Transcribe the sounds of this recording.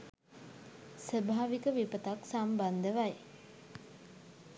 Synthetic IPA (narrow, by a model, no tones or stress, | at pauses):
səbʱaːʋikəʋipət̪aksamband̪əʋaj